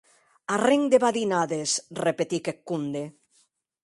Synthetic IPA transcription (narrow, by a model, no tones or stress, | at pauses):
areŋd̪eβaðinaðesrepet̪ikekːund̪e